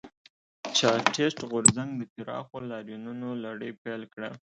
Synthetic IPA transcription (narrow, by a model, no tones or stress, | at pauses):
t͡ʃɑʈesʈɣʊɾzaŋɡd̪ək̪ɪɾɑ̰xolɑɾjununolaɽəjpelkɽa